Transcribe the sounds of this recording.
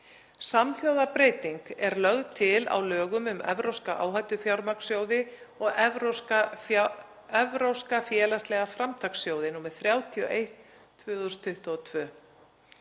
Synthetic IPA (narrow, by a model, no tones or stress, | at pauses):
samθjowðapɾejt̪iŋkɛɾlœɣðt̪ʰɪla̰wlœːɣʏmʏmɛ̰vɾowskaʔa̰ːwɦajt̪ʏfjawɾmaksjoːwðɪɔɣɛa | ɛvɾowskafjɛːlast̪lɛɣafɾamt̪ʰaksjoːwðɪnuːmɪɾ̥θɾjaːwt̪ʰiɔ̰ʔejht̪ʰː | vʏːɣðst̪ʰʏht̪ɔɔt̪ʰvœː